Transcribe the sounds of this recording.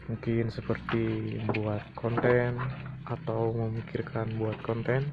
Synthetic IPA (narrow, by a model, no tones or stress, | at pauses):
muŋkɪnsəpərt̪ibuat̪̚kʰɔnt̪ɛnʔat̪awməmikirkʰanbuat̪̚kɔnt̪ɛn